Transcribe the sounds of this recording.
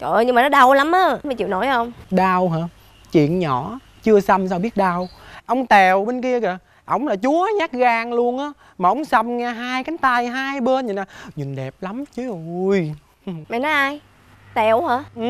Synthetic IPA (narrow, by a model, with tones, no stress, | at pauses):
kʔə˨ɲɨ˧ŋmaː˨˩nɔ˨˦˥ɗa˨˧˩wla˨˦mʔaː˨˦ma˨˩t͡ɕḭ˧˨wno̰˧˩˦jʔə˧wŋ͡mɗaː˧wɦaː˨˩ | t͡ɕwḭ˧˨ənɲɔ̰˧˩˦ | t͡ɕɨ˧əsa˧msaː˧wɓi˦˥ət̚ɗaː˧wʔə˧wŋ͡mt̪ɛ˨˩wɓe˧nki˧əɣə˨˩ | ʔə˧˩wŋ͡mlaː˨˩t͡ɕu˨˦ə˦ɲaː˦˥k̚ɣaː˧ŋlu˧ənʔaː˨˦ | maː˨˩ʔə˨˦wŋ͡msə˧mŋɛː˧ɦaː˧jka˨˦ŋt̪a˧jɦaː˧jɓəː˧nɲɨ˨˩naː˨˩ɲï˨˩nɗɛ˨˩p̚la˨˦mt͡ɕɨ˨˦ʔo˨˧j | mɛ̰˨nɔ˨˦ʔaː˧j | t̪ɛ˨˩whaː˨˦ʔ